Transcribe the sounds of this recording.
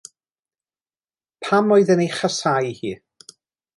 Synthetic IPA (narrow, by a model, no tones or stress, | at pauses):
pʰamɔɨðənejχəsajhiː